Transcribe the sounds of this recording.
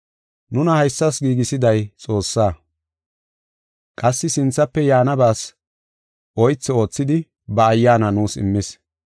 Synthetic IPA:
nʊnɐhɐjsːɐsɡiːɡɪsɪd̪ɐjt͡sʼo̞ːsːaː | kʼɐsːɪsɪnt͡sːɐpːɛjaːnɐbaːs | ʔɔjt͡sːɪo̞ːt͡sːɪd̪ɪ | bɐːjːaːnɐnuːsɪ̰mːɪs

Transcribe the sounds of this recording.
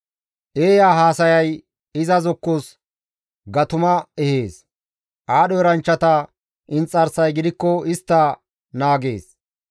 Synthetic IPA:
ʔeːjaːɦaːsɐjɐj | ɪzɐzɔkːos | ɡɐt̪ʊmɐɛhe̞ːs | ʔaːɗɔɛɾɐnt͡ʃːɐt̪ɐ | ʔɪnt͡sʼːɐɾsɐjɡɪd̪ɪkːɔɪst̪ːɐ | naːɡe̞̰ːs

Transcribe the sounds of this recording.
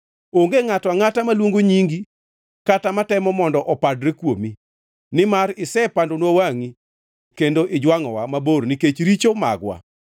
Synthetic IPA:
oŋɡeŋatwaŋatamalwoŋɡoɲiŋɡi | katamatɛmɔmɔndɔʔɔpadɾekwomi | nɪmaɾɪsɛpandonwowaŋi | kendoʔɪd͡ʒwaŋɔ̰wamaboɾniket͡ʃɾit͡ʃoma̰ɡwa̰

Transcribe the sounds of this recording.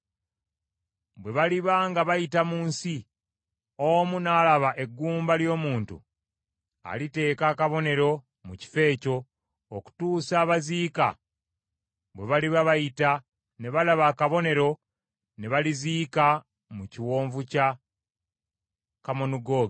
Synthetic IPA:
bwe̞βaliβaŋɡaβajitamuːnsi | oːmunaːlaβaʔe̞ɡːuːmbaljo̞ːmuːntṵ | a̰lite̞ːkakaβo̞ne̞ɾo̞ | muci̥fe̞ːco̞ː | ku̥tuːsaːβaziːka̰ | βwe̞βaliβaβajita | ne̞βalaβaːkaβo̞ne̞ɾo̞ | ne̞βaliziːka | muciwoːɱvuca | kamonuɡo̞ːɡ

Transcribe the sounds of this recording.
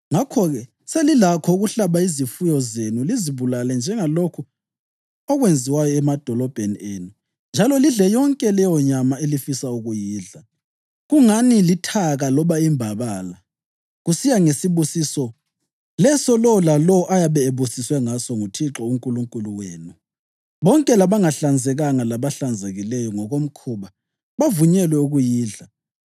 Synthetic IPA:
ŋakʰɔɣɛ | selilakʰɔuɣuɬaβaizifujɔzenuliziβulalɛnd͡ʒʱɛŋalokʰu | ɔɣwend͡zʱiwajɔɛmad̥ʱɔlɔb̥ʱenienu | nd͡ʒʱalɔliɮɛjɔŋkʼɛlɛjɔɲamaelifisauɣujiːɮa | ɣuŋanilitʰaɣalɔβaimbʱaβala | ɣusijaŋesiβusisɔ | lɛsɔlɔlalɔʔajaβɛeβusiswɛŋasɔŋutʰiǁɔuŋkʼuluŋkʼuluweːnu | βɔŋkʼɛlaβaŋaɬand͡zʱɛɣaŋalaβaɬand͡zʱeɣilɛjɔŋɔɣom̩kʰuβa | βavuɲɛlwɛuɣujiːɮa

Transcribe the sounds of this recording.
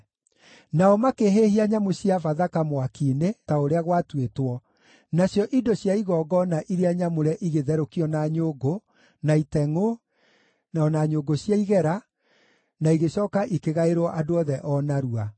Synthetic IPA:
naɔmakeɦehiaɲamosiafaðakamowakiːnetaoɾeaɣwatwetwɔ | naɕjɔʔidoɕjaiɣɔɡɔnaʔiɾeaɲamoɾɛʔiɣeðɛɾokiɔnaɲoːɡo | naitɛŋo | naɔnaɲoɡoɕjaiɣɛɾa | naiɣeɕɔːkaʔikeɣaeɾɔʔadoɔðɛʔɔnaɾua

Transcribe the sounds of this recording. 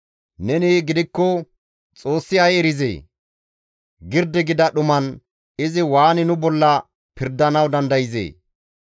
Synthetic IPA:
nɛniːɡɪd̪ɪkːɔ | t͡sʼoːsːɪɐjɛɾɪzḛː | ɡɪɾd̪ɛɡɪd̪ɐɗʊmɐn | ɪzɪwaːnɪnʊbɔlːɐ | pɪɾd̪ːɐnɐwd̪ɐnd̪ɐjɪzḛː

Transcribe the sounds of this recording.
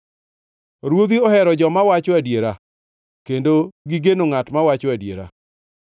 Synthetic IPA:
ɾwod̪iɔhɛɾɔd͡ʒɔmawat͡ʃɔadjeɾa | kendoɡiɡenoŋatmawat͡ʃɔadjḛɾa̰

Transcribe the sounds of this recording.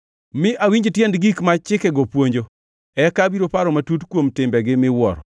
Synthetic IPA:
mɪʔawiɲd͡ʒtjendɡikmat͡ʃɪkɛɡɔpwoɲd͡ʒo | ɛkabiɾopaɾɔmatutkwomtɪmbɛɡɪmɪwɔ̰ɾɔ

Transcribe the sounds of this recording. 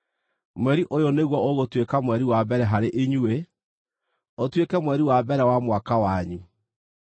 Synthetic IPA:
mwɛɾiʔojoneɣwɔoɣotwekamwɛɾiwabɛɾɛɦaɾeʔeɲue | otwekɛmwɛɾiwabɛɾɛwamwakawaɲi

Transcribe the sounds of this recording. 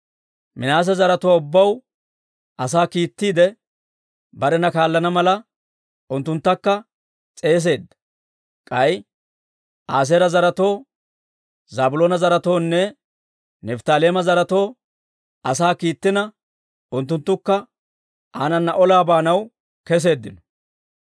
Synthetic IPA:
mɪnaːs̬ɛzɐɾɐt̪oːʊbːɐw | ʔɐs̬aːkiːt̪ːiːd̪ɛ | bɐɾɛnɐkaːlːɐnɐmɐlɐ | ʊnt̪ːʊnt̪ːɐkːɐ | t͡sʼe̞ːs̬e̞ːd̪ːɐ | kʼɐj | ʔaːs̬eːɾɐzɐɾɐt̪o̞ː | zaːbʊloːnɐzɐɾɐt̪o̞ːnːɛ | nɛft̪aːle̞ːmɐzɐɾɐt̪o̞ː | ʔɐsaːkiːt̪ːɪnɐ | ʊnt̪ːʊnt̪ːʊkːɐ | aːnɐnːɐʔɔlaːbaːnɐw | kɛs̬e̞ːd̪ːɪnɔ̥

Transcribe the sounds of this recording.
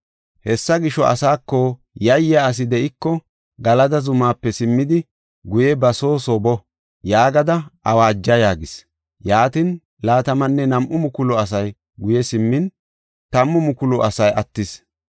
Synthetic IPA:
hɛsːɐɡɪʃɔʔɐ̰saːkːɔ | jɐjaːs̬ɪd̪ɛʔɪkːɔ | ɡɐlɐd̪ɐzʊmaːpːɛsɪmːɪd̪ɪ | ɡʊjɛbɐso̞ːsobɔ | jaːɡɐd̪ɐʔɐwaːd͡ʒːɐjaːɡɪs | jaːt̪ɪn | laːt̪ɐmɐnːɛnɐmʔʊmʊkʊlɔɐs̬ɐj | ɡʊjɛsɪmːɪn | t̪ɐmːʊmʊkʊlʊʔɐsɐjɐt̪ːɪs

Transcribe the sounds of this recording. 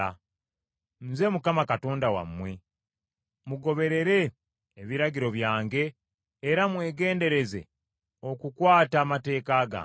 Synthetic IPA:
a | n̩ze̞mukamakato̞ːndawa̰mːwe̞ | muɡo̞βe̞ɾe̞ɾe̞ː | βiɾaɡiɾo̞βjaːŋɡe̞ː | ɾamwe̞ːɡe̞ːnde̞ɾe̞ze̞̰ | o̞kukwaːtaːmate̞ːkaːɡa̰

